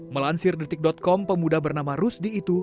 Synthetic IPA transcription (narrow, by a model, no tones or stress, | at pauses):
məlansɪrdət̪ɪk̚dɔt̪̚kɔmpəmudabərnamaɾusdiːt̪u